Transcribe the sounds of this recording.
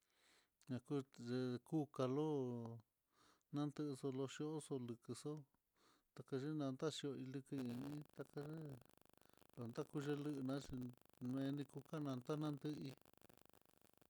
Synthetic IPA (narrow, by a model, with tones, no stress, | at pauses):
ɲã˧ku˦ʐe˧ku˦ka˧lo˦ | nã˦nd̪ɨ˦ʔso˧lo˧ʃi˧o˦ʔso˧lɨ˧kɨ˧so˦ | t̪a˧ka˧ʒe˦nã˧nd̪a˦ʃi˧o˧i˧lɨ˧kɨ˧ĩ˧ĩ˦t̪a˧ka˧ʒe˦ | lo˧nd̪a˦˨ku˦ʒe˧lɨ˧ʔɨ˧nã˧˦t͡ʃi˧ẽ˧nĩ˧ku˧ka˦nã˧nd̪a˦nã˦nd̪ɨ˦i˧